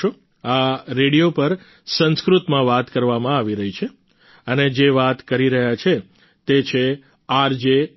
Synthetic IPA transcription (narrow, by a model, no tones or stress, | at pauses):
o | aɾeɽijopəɾ | sə̃nskɾut̪mãʋat̪kəɾʋamãaʋiɾəɦit͡ʃʰe | əned͡ʒeʋat̪kəɾiɾəɦjat͡ʃʰe | t̪et͡ʃʰe | aɾd͡ʒe